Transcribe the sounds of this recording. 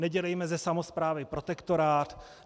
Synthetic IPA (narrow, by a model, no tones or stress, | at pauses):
nɛɟɛlɛjmɛzɛsamo̞spɾaːvɪpɾo̞t̪ɛkt̪o̞ɾaːt̪